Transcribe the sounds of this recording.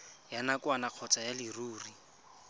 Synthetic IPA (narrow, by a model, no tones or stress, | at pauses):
janakwanaq͡χʰɔt͡sajaliruːri